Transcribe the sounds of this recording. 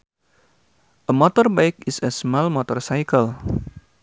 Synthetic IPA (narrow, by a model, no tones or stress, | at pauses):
ʔəmɔt̪ɔrbaɪk̚ɪsəsmalmɔt̪ɔrsajkəl